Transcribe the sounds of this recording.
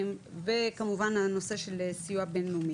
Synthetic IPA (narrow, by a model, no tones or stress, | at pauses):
mvekamuvanhano̞se̞ʃelesijuabenlumi